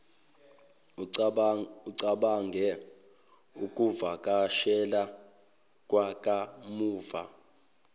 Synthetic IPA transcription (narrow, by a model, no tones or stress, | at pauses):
uǀaɓaŋɡʱɛ | ukʼuvakʼaʃɛla | k̬ʼwakʼamuːva̰